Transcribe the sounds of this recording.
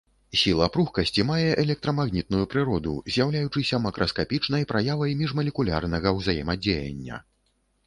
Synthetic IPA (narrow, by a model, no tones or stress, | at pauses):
sʲilˠɐpɾuxkɐsʲt͡sʲimajɛʔɛlʲɛk̚t̪ɾɐmaɣnʲit̪̚nujupɾɨɾɔd̪ṵzʲjawlʲajut͡ʂɨsʲɐmɐkɾʔɐskapʲit͡ʂnɐjpɾʔajavɐjmʲiʐmɐlʲɛkulʲa̰rnɐɣɐwzajɛ̰mɐd͡zʲejɐ̰nʲːɐ̰